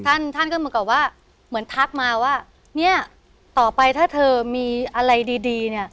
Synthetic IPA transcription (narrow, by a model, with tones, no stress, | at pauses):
t̪ʰa˥˩nt̪ʰa˥˩nkmː˧˦ka˨˩p̚waː˥˩ | mɯ˩˦ənt̪ʰa˦˥k̚maː˧waː˥˩ | ni˥˩ɐ | t̪ɔː˨˩pa˧jt̪ʰaː˥˩t̪ʰɤː˧miː˧ʔa˧ɾa˧jdiː˧diː˧ni˥˩ɐ